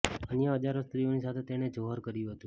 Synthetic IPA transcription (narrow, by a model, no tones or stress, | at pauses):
ənjəɦəd͡ʒaɾost̪ɾionisat̪ʰet̪eñed͡ʒoɦəɾkəɾjũɦət̪ũ